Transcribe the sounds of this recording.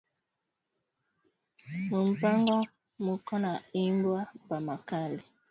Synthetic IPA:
mum̩paŋɡɔ | mukɔnaimbwapamakali

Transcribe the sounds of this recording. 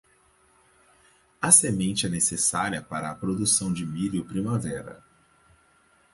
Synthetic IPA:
ɐsemẽnt͡ʃɪɛnesesaɾiɐpaɾɐːpɾod̪usɐ̃w̃d͡ʒɪmiliʊpɾimavɛɾɐ̰

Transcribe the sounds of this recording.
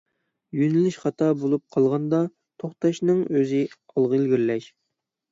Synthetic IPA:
jynylyʃχɑt̪ʰɑbolˠup̚qʰɑlˠʁɑnd̪ɑ | t̪ʰoχt̪ɑʃnɨŋøzɪ | ɑlˠʁəelɡʲiɾlɛʃ

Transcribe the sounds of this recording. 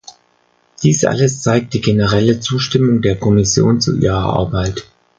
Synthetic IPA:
d̥iːsʔa̰ləst͡saɪk̚t̚d̥iːɡenəʁɛlət͡suːʃtɪmʊŋdeːɐkʰɔmɪsjo̰ːnt͡sṵʔḭːʁ̞ɐʔa̰ɐbaɪt

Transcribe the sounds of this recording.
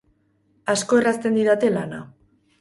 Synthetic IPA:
asko̞erast̪e̞nd̪iðat̪e̞lana̰

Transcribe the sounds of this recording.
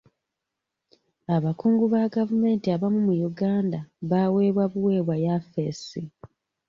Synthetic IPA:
aβakuːŋɡuβaɡavume̞ːntiaβamumujuɡaːndaβaːwe̞ːβwaβuwe̞ːβwajafesi

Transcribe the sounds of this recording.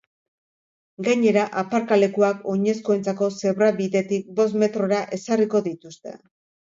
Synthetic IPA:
ɡaɲe̞ɾaʔapaɾkale̞kuako̞ɲe̞skoe̞nt͡sako̞se̞βɾaβiðe̞t̪ik̚bo̞s̬me̞t̪ɾo̞ɾaʔe̞sariko̞ðit̪ust̪e̞̰

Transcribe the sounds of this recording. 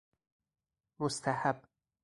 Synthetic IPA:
most̪ʰæhab

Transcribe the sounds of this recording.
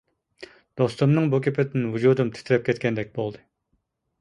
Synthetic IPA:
d̪̥ost̪umnɨŋbukʲepʰɪd̪ɪnvud͡ʒud̪umt̪ʰɪ̥t̪ʰɪɾɛp̚kʲʰɛt̪̚kʲɛnd̪ɛk̚ʲbolˠd̪ɨ

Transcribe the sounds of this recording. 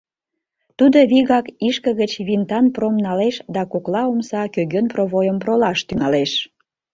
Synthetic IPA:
t̪ud̪oβiɣɑkiʃkəɣət͡ɕβint̪ɑnpromnɑleʃd̪ɑkoklɑomsɑkøɣønproβojəmprolɑʃt̪yŋɑleʃ

